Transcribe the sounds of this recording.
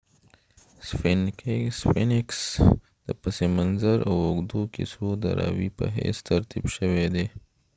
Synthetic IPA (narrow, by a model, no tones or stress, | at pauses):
sfinksfinɪks | d̪̥əpəsemanzəɾawʊɡd̪okḭsod̪ə̰ɾɑwipə̰ɦest̪aɾt̪ibʃəwed̪e